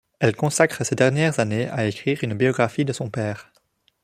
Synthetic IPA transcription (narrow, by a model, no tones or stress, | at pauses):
ɛlkɔ̃sakχəsed̪ɛʁnjɛʁzaneaekχiːʁynbiɔɡʁafid̪əsɔ̃pɛːʁ